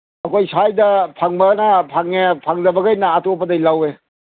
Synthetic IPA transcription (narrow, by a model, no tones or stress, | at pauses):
ɐkʰojsajdɐpʰaŋbɐnɐpʰaŋepʰaŋdɐbɐɡajnaːtopːɐdɐjlawe